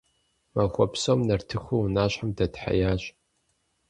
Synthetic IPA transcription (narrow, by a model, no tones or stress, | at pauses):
mɐxʷɔpʰsoːmnɐrtʰɨxʷuwnaːɕħamdɐdħa̰jaːɕʼ